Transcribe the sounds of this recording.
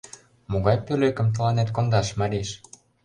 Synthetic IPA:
moɣɑjpøløkə̆mt̪̬ɤ̆lɑnet̪kond̪ɑʃmɑɾiʃ

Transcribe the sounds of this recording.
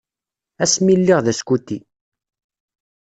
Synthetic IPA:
æsmilːiʁðæskut̪ːi

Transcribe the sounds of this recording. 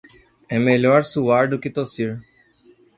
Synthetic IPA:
ɛmeʎɔɾsuaɾd̪ʊkɪt̪osiɾ

